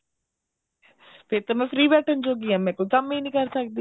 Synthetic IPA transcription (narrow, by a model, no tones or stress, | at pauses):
pʰɪɾt̪aːmɛ̃ːpʰɾiːbɛːʈʰənd͡ʒoːɡiːãːmɛ̃ːkoikamẽnĩːkəɾsək̚d̪iː